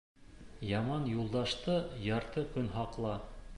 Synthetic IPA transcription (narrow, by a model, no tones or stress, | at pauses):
jɑmɑnjulˠd̪ɑʃt̪ɤjɑɾt̪ɤkɵnɦɑqlˠɑ